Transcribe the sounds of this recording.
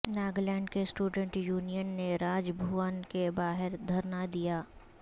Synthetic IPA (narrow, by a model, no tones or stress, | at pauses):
naːɡlɛ̃ːɳɖkesʈuːɖə̃ɳʈjuːnijənːeɾaːd͡ʒbʱuːənkebaːɦɪɾd̪ʱɐɾnad̪ijaː